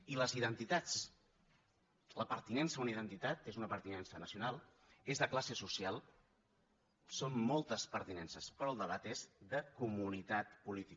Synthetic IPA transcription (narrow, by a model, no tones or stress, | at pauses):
iləziðənt̪it̪at͡s | ləpəɾt̪inɛnsəunəiðənt̪it̪at̪ezunəpəɾt̪inɛnsənəsiunalˠ | ezðəklasesusialˠ | sonmɔlˠt̪əspəɾt̪inɛnsəspɾɔəlˠd̪əβ̞at̪ezðəkumunit̪at̪pulit̪i